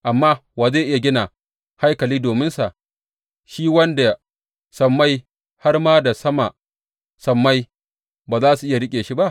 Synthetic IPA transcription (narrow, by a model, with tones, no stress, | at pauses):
ʔa˨mːaː˦waː˨zeː˦˨ʔɪ˦ja˨ɡʲɪ˦na˨ | ha˦jkɐ˨liː˦doː˨mɪ˦nsa˨ʔ | ʃiː˦wɐ˦nda˨ | sɐ˨mːa˦j | ha˦rmaː˦da˨sɐ˦ma˨ʔ | sɐ˨mːa˦j | baː˨zaː˦su˨ʔɪ˦ja˨ɽɪ˦kʲʼeː˨ʃi˦ba˦ʔ